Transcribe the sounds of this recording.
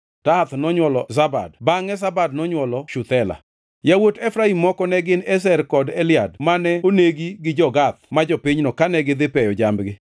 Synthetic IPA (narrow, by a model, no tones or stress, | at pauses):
tat̪nɔɲwɔlɔzaba̰dbaŋɛzabad̚nɔɲwɔlɔʃʊt̪ɛla̰ | jawotɛfɾaimːɔkɔnɛɡɪnɛs̬ɛrkɔdɛlɪjadmanɛoneɡiɡɪd͡ʒɔɡat̪̚mad͡ʒɔpiɲnɔkanɛɡɪd̪ɪpɛjɔd͡ʒambɡɪ